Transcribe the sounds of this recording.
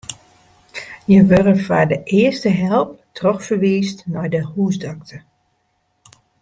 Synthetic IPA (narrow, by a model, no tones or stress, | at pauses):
jəʋørəfadəʔɪəstəɦɛlˠp̚trɔxfərʋiːstnɔjdəhuːsdak̚tʰə